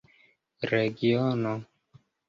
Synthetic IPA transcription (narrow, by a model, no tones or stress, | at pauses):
ɾeɡiɔnɔ